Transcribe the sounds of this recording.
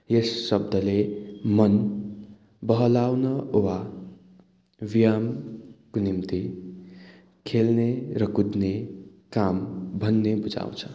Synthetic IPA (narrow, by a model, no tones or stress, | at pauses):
jesːʌb̚d̪ʱʌlemʌn | bʌɦʌlawnʌowa | bijamkonimt̪i | kʰelneɾʌkud̪nekambʱʌnːebud͡za̰w̃t͡sʰʌ